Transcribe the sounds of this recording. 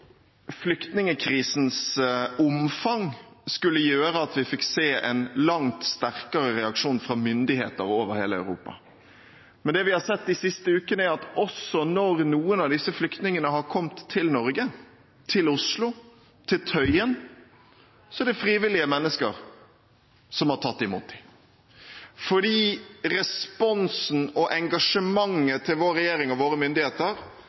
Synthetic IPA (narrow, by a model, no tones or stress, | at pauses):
flʏkt̪nɪŋəkʰɾiːsnsʊmfɑŋskʉlːəjøːɾəɑt̪ʰʋɪfɪkseːʔɛ̰nlɑŋt̪st̪æɾkəɾəɾɛɑkʂuːnfɾɑmʏnd̪ɪhḛːt̪əɾoːʋəɾheːləɑ̰ʉɾṵːpɑ̰ | mɛnd̪ɛʋɪhɑsɛt̪ːɪsɪst̪əʉːkənəæɾɑt̪ɔsɔnɔɾnuːənɑʋd̪ɪsːəflʏkt̪nɪŋənəɦɑɾkʰɔmt̪ʰːɪlnɔɾɡə | t̪ʰɪlʊslʊ | t̪ʰɪlt̪ʰœʏən | sɔɛɖɛfɾiːʋɪlɪəmɛnːəskə̰ɾ | sɔmhɑʈʰɑt̪ːɪmṵːt̪ɪ | fɔɖiːɾɛspɔnsn̩ɔʔɛŋɡɑʂəmɑŋːət̪ʰɪlʋoːɾːɛjeːɾɪŋɔʋoːɾəmʏnd̪ɪheːt̪əɾ